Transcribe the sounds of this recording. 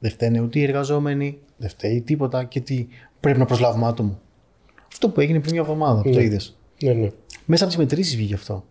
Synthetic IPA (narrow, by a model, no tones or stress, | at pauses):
ðe̞ft̪eneut̪e̞ieɾɣɐzo̞me̞ni | ðeft̪eit̪ipo̞t̪ɐcet̪i | pɾe̞pinɐpɾozlɐvomɐt̪omu | ɐft̪o̞pue̞ʝinepɾinmɲɐevðo̞mɐðɐpot̪oiðes | nmesɐpot̪izmet̪ɾisizvʝiʝɐft̪o̞̰